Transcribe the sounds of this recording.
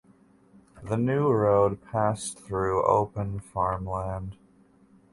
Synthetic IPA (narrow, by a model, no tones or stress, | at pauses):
ðɨnʉɹoʊd̚pʰæsθɹʉo̰ʊpə̃nfɑɹmlæ̃nd̥